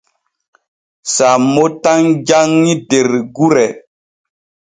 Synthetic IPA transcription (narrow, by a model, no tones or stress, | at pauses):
samotaŋd͡ʒaŋːideɾɡuɾɛ